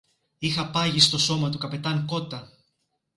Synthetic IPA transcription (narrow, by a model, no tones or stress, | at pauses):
ixɐpɐʝist̪o̞so̞mɐt̪ukɐpe̞t̪ɐŋko̞t̪ɐ